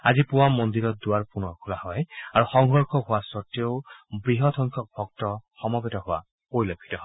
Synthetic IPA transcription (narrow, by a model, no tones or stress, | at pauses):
azipuwamːɔnd̪iɹɔt̚duwaɹpunɔɹkʰulahɔjaɹuxɔŋɡɔɹkʰɔɦʊwasɔtjɔwbɹiɦɔd̪ʰɔŋkʰɔk̚bʱɔktɔxɔmɔbɛtɔɦʊwa̰ | poɹilɔkʰːi̥tɔɦɔ